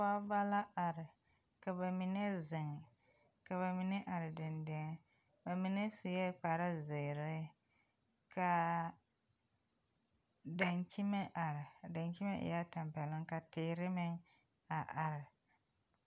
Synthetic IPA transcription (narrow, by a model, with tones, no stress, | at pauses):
a˦ba˦la˦ʔa˨ɾɪ˨ | ka˨ba˨mi˨nɛ˦zɪ˨ŋ˨ | ka˨βa˨mi˨nɛ˦ʔa˨ɾɪ˨dɪ˨ndɪ˦ŋ˦ | ba˨mi˨nɛ˦su˨jɛ˦k͡pa˨ɾa˦zɪ˨ɾɪ˦ | ka˨ | da˨nt͡ʃi˦mɛ˦ʔa˨ɾɪ˨da˨nki˦mɛ˦ʔɪ̰˨ja˦ta˨mpɛ˨lɪ˦ŋka˨tɪː˨˦ɾɪ˦mɪ˦ŋ | a˨ʔa˨ɾɪ˨